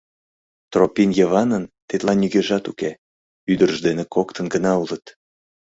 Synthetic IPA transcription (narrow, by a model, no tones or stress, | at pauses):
t̪ropinjəβɑnənt̪et̪lɑnyɣeʒɑt̪uke | yd̪ərəʒd̪enekokt̪ənɡənɑulət̪